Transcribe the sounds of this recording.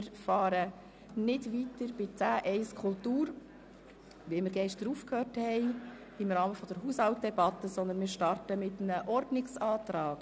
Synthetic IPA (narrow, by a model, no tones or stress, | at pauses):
ɪɾfɑːɾə | nɪdʋitəɾb̥ɪt͡sæːʔɛɪskʰultuːɾ | ʋimɪːɾɡɛʃtɾufkʰhøːrthɛj | ɪmɾɑːməfɔd̥̪əɾɦushɑwt̚dɛbɑt̪ːəsɔnd̪ənmɪːɾʃtɑrtəmɪt̪ənəʔɔɾdnɪksɑːtɾɑːk